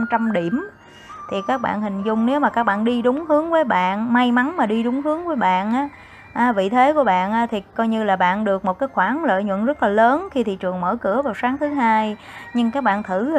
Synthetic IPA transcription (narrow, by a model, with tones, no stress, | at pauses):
mt͡ɕa˧mɗi˧˩əm | t̪ʰi˨˩kaː˦˥k̚ɓa̰ː˧˨nhï˨˩ŋ̟zʊ˨˧˩ŋ͡mne˨˦wmaː˨˩kaː˦˥k̚ɓa̰ː˧˨nɗi˧ɗʊ˨˦ŋ͡mhɨ˨˦əŋvəː˨˦jɓa̰ː˧˨nma˧jma˨˦nmaː˨˩ɗi˧ɗʊ˨˦ŋ͡mhɨ˨˦əŋvəː˨˦jɓa̰ː˧˨nʔaː˨˦ | ʔaː˨˦vḭ˧˨t̪ʰe˨˦ku˧˩əɓa̰ː˧˨nʔaː˨˧˥t̪ʰi˨˩kɔ˧jɲɨ˧laː˨˩ɓa̰ː˧˨nɗɨ˨˩ək̚mo˨˩t̚kaː˨˦jxwaː˧˩˦nlə̰ː˧˨jɲwə̰˧˨nzə˦˥t̚laː˨˩ləː˨˦nxi˧t̪ʰḭ˨˧˨t͡ɕɨ˨˩əŋməː˧˩kɨ˧˩əvaː˨˩wsaː˨˦ŋt̪ʰɨ˨˦ɦaː˧j | ɲɨ˧ŋkaː˦˥k̚ɓa̰ː˧˨nt̪ʰɨ˧˩˨